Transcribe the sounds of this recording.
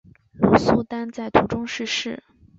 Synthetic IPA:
lu˧˥su˥˩t̪a˥nt͡sa˥˩ɪt̪ʰu˧˥ʈ͡ʂʊ˥ŋʂɻ̩˥˧ʂɻ̩˥˩

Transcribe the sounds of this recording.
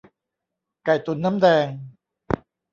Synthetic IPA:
ka˨˩jt̪u˨˩nːa˦˥mdɛː˧ŋ

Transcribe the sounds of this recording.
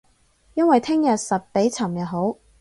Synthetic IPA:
jɐ˥nwɐ˨jt̪ʰɪ˥ŋjɐ˨t̚sɐ˨˩t̚pe˨˥jt͡sʰɐ˨˩mjɐ˨ɦo˨˥w

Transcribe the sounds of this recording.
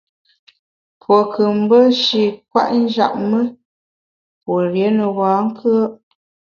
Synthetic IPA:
pwo˨kʰə˨m̩˦bə˦ʃi˨kwa̰˦ʔn̩˦d͡ʒa̰˨ʔ̚mə˦ | pwo˨ɾje˨˦nə˨waː˨˦ŋ̩˦kʰə˦

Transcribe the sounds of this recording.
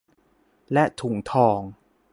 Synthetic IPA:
lɛ˦˥t̪ʰu˨˩˦ŋt̪ʰɔː˧ŋ

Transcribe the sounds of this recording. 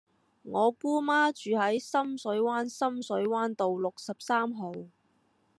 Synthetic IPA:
ŋɔː˨˧kuː˥maː˥t͡ʃyː˨ɦɐ˨˥jsɐ˥msɵ˨˥ɥwaː˥nsɐ˥msɵ˨˥ɥwaː˥nt̪o˨wlʊ˨k̚sɐ˨p̚saː˥mɦo˨w

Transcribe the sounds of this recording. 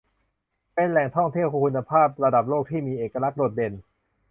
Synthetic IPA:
pe˧nlɛː˨˩ŋt̪ʰɔ˥˩ŋt̪ʰi˥˩əwkkʰu˧nːa˧pʰaː˥˩p̚ɾa˧da˨˩p̚loː˥˩k̚t̪ʰiː˥˩miː˧ʔeː˨˩kːa˧la˦˥k̚do˨˩t̪̚de˧n

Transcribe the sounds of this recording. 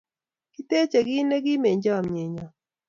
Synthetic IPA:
ki˦te˦t͡ʃe˨ɡi˦ne˦ɡi˦me˨ɲd͡ʒɔ˦˨mɲe˨ɲɔ˨

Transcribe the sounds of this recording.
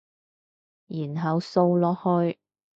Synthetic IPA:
jiː˨˩nɦɐ˨wso˧wlɔː˨˥hɵ˧j

